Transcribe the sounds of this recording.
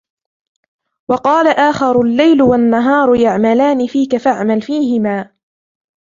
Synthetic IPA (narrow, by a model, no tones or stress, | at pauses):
wɑqɑːlaʔaːxɑɾˤʊlːajlwanːaɦɑːɾˤjaʕmalaːnɪfiːkafaʕmalfiːɦɪmaː